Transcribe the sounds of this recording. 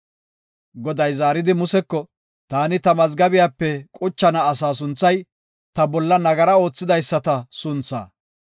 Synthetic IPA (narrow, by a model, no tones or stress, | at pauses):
ɡɔd̪ɐjzaːɾɪd̪ɪmʊsɛkːɔ | t̪aːnɪt̪ɐmɐzɡɐbɪjaːpːɛkʼʊt͡ʃːɐnɐːsaːs̬ʊnt͡sːɐj | t̪ɐbɔlːɐnɐɡɐɾɐo̞ːt͡sːɪd̪ɐjsːɐt̪ɐsʊnt͡sːa̰ː